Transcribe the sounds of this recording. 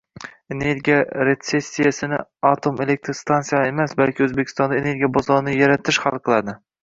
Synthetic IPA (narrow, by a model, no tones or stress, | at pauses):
ene̞ɾɡʲijaɾe̞t̪se̞sʲːijasɪnɪ̰at̪ʰome̞lek̚t̪ʰɾst̪ʰansijaemasbalkʲʰɪɵzbekʲʰɪ̥st̪ɒnd̪aene̞ɾɡʲijabɒzɒɾɪnɪjaɾat̪ʰɪʃχɑlˠqʰɨlˠad̪ɪ